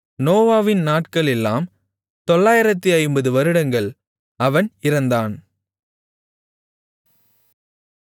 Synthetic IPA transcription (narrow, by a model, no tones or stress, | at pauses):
noːʋaːʋɪnnaːʈkɐɭɛlːaːm | t̪ɔɭːaːjɪɾɐt̪ːɯɐɪmbɐðɯʋɐɾɯɽɐŋɡɐɭ | ɐʋɐnɪɾɐnd̪aːn